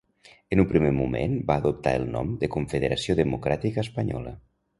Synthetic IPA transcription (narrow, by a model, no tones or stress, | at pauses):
ənupɾimemumḛnbaːðup̚t̪a̰əlˠnɔ̰md̪əkuɱfəðəɾasioðəmukɾat̪ikəːspəɲɔ̰lə